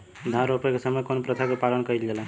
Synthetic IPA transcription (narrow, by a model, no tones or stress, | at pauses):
d̪ʱaɾopekesəmekonpɾət̪ʰakepalənkəild͡ʒela